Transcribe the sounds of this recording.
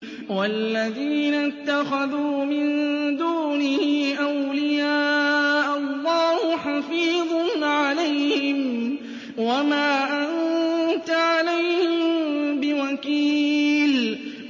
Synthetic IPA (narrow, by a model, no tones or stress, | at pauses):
walːaðiːnat̪ːaxaðuːmɪnd̪uːnɪhːʔawlɪjaːʔalˤːɑːhʊħɑfiːðˤnʕalajhhɪm | wamaːʔant̪aʕalajhɪmbɪwakiːl